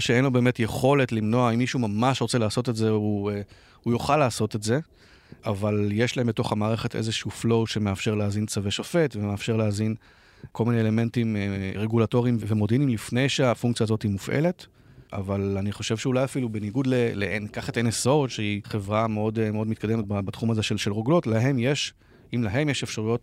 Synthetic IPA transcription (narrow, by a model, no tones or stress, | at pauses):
ʃeenlo̞be̞ːme̞tjeχo̞letlimno̞aimːiʃumamaʃʁot͡selaːso̞te̞tze̞u | ujoχalːaːso̞te̞tze̞ | avaljeʃlaembeto̞χamaːʁe̞χe̞tʔḛzeʃuuflo̞wʃemeafʃe̞ʁleazint͡saveʃofe̞tvemeafʃe̞ʁleazin | ko̞lmineeːle̞me̞ntimʁe̞ɡulato̞ʁiimvvemo̞dinimlifne̞jʃeafuŋk̚t͡sijaːzotimufʔḛle̞t | ʔa̰valaniχo̞ʃevʃeulajafilubeniɡudlelḛʔenkaχateneso̞t̪ʃeiχe̞vʁame̞o̞dmeo̞dmit̪kade̞met̚babat̪χumaze̞ʃelʃelʁoɡlo̞tlaɦe̞mje̞ʃ | imlaɦe̞mjeʃe̞fʃaʁujo̞t